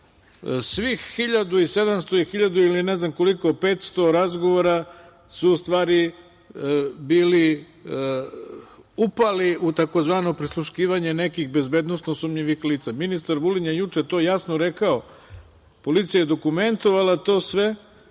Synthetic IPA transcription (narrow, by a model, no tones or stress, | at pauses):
sʋixːiʎad̪uise̞d̪amst̪o̞ixiʎad̪uilineznamko̞liko̞pe̞ːt̪st̪o̞ɾazɡoʋoɾa | suːst̪ʋaːɾi | biːli | upaliʔut̪akozʋaːno̞pɾislˠuʃkiːʋaɲe̞ne̞kixbe̞zbe̞ːd̪nosnosumʎiʋixliːt̪saminist̪aɾbuliɲjejut͡ʃet̪o̞ːjasnoɾe̞kao̞ | po̞lit̪sijajed̪o̞kume̞nt̪o̞ʋalat̪o̞ːsʋe